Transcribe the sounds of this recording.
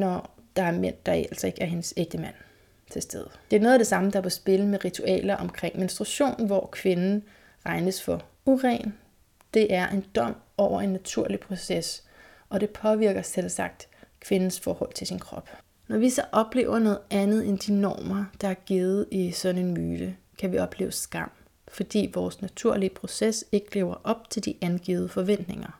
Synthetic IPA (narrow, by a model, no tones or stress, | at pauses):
nɒ | d̥ɑ̈æɐmen̰d̥ɑ̈æl̰sɒe̝ɡ̥əæɐɦe̝nseɡ̥̚d̥əmæn̰ | t͡sʰe̝sd̥eð̞ˠd̥e̝æɐno̽ːðˠd̥e̝sɑ̈məd̥ɑ̈ʋesb̥e̝ləmeʁit͡sʰuɛ̰ːlɐʔɒ̽mkʰʁeŋ̰me̝nsd̥ʁuɕo̝̰ːnnʋɒkʰʋe̝nn̩ | ʁɑ̈ɪnəsfɒ̽ | uʁɛ̰ːn | d̥e̝ʔæɐʔe̝nd̥ɒ̽m̰ | ɒʊ̰ɐe̝nːæt͡sʰuɐ̰lipʰʁo̝ses | ɒ̽ɾ̥e̝pʰɒ̽ʋiɐ̰ɡ̥ɐselsɑ̈ɡ̥̚d̥kʰʋe̝nn̩sfɒːhɒ̽l̰t͡sʰe̝lsinkʰʁɒ̽b̥ | nɒʋisɒ̽ʔɒ̽b̥le̝̰ːʊɐnɔ̽ːð̩ˠænð̞̩ˠend̥inɒ̰ːmɐd̥ɑ̈æɐɡ̥iːð̩ˠisɒ̽d̥n̩e̝nmyːd̥ə | kʰæʋiɒ̽b̥lḛːʊəsɡ̥ɑ̈m̰ | fɒ̽d̥ḭːʋɒːsnæt͡sʰuɐ̰liəpʰʁo̝sese̝ɡ̥əleːʊɐʔɒ̽b̥̚t͡sʰe̝ld̥iʔænɡ̥ḭːʊð̞̩ˠəfɒ̽ʋen̰d̥ne̝ŋɐ